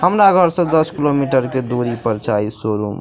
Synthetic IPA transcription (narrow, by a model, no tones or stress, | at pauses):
ɦəmɾaɡʱəɾsə̃d̪əskilomiʈəɾked̪oɾipəɾt͡ʃaisoɾṵm